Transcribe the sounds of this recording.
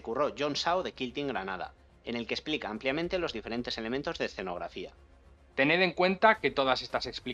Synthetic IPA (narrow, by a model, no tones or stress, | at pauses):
kuro̞ʝo̞nsawðe̞kilt̪iŋɡɾanað̞a̰ | ene̞lkesplikaampljamẽ̞nt̪e̞lo̞zðife̞ɾe̞nt̪e̞se̞le̞mẽnt̪o̞zðeːsθe̞no̞ɣɾa̰fia̰ | t̪e̞ne̞ðe̞ŋkwe̞nt̪ake̞t̪o̞ð̞asest̪asekspli